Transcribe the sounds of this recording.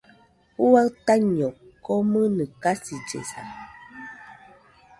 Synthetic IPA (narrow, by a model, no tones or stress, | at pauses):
huat̪aɲokomɨnɨkasid͡ʒḛsa̰